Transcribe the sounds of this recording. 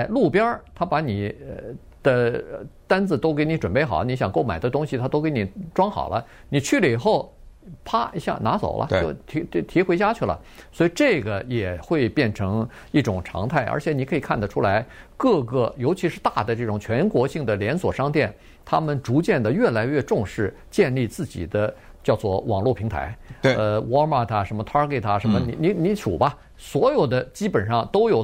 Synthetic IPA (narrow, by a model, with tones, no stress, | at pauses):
ɪlu˥˩pjɑ˥t̪ʰa˥pa˧˥ni˨˩ | d̪̥ə˧t̪a˥nt͡sɹ̩˨˩t̪o˥ʊk̬e˧˥ɪni˧˥ʈ͡ʂwə˨˩npe˥˩ɪxɑ̰˨˩˦ni˧˥ɕjɑ˨˩ŋko˥˩ma˨˩ɪd̪ə˦t̪ʊ˥ŋɕi˨t̪ʰa˥t̪o˥ʊke˧˥ɪni˨˩ʈ͡ʂwɑ˥ŋxɑ̰˨˩ʊlʔə̰˦ | ni˨˩t͡ɕʰy˥˩lə˧˩i˨˩xo˥˩ʊ | pʰa˥i˧˥ɕja̰˥˩na˧˥t͡so̰˨˩ʊlʔə̰˦t͡ɕo˥˧t̪ʰi˧˥t̪ʰi˧˥xwe˥t͡ɕja˥t͡ɕʰy˥˩lə̰˩ | swɔ˧˥i˨˩ʈ͡ʂɤ˥˩ɡə˩jɛ˨˩xwe˥˧ɪpjɛ˥˩nʈ͡ʂʰɤ˧˥ŋ | i˥˩ʈ͡ʂʊ˨˩ŋʈ͡ʂʰɑ̰˧˥ŋt̪ʰa˥˩ɪʔə̰˞˧˥t͡ɕʰjɛ˧˥ni˨˥kʰɤ˧˥i˨˩kʰa˥˩nd̪ə˩ʈ͡ʂʰu˥la˧˥ɪkɤ˥˧kə˥˩jo˧˥ʊt͡ɕʰi˧˥ʂɻ̩˥˧t̪a˥˩d̪ə˩ʈ͡ʂɤ˥˩ʈ͡ʂʊ˨˩ŋt͡ɕʰɥɛ˧˥nkwɔ˧˥ɕi˥˩ŋd̪ə˩ljɛ˧˥nswɔ˨˩ʂɑ˥ŋt̪jɛ˥˩n | t̪ʰa˥mə˨nʈ͡ʂu˧˥t͡ɕjɛ˥˩nd̪ə˩ɥɛ˥˩la˧˥ɪɥɛ˥˧ʈ͡ʂʊ˥˧ŋʂɻ̩˥˩ | t͡ɕjɛ˥˧nli˥˧t͡sɹ̩˥˩t͡ɕḭ˨˩d̪ə˦ | t͡ɕjɑ˥˧ʊt͡swɔ̰˥˩wɑ˨˩ŋlwu˥˩pʰi˧˥ŋt̪ʰa̰˧˥ɪ˧ə˧wɔ˥ma˥˧˩t̪ʰa˧ʂə˧˥nmə˧t̪ʰa˥ke˥˩t̪ʰa˥ʂə˧˥nmə˧ni˧˥ni˧˥ni˧˥t͡sʰṵ˨˩bɐ˦ | swɔ˧˥jo˨˩ʊd̪ə˦t͡ɕi˥pə˨˩nʂɑ˥˩ŋt̪o˥ʊjo˨˩ʊ